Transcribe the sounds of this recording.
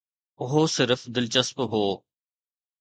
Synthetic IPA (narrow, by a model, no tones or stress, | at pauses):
ʊɦoːsɪɾfd̪ɪlt͡ʃəspɦoː